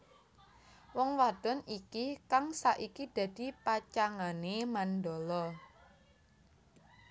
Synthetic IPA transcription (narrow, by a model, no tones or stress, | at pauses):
wɔŋwad̪̥ɔnikikaŋsaʔikid̪̥ä̤d̪̥ipat͡ʃaŋanemand̪ɔlɔ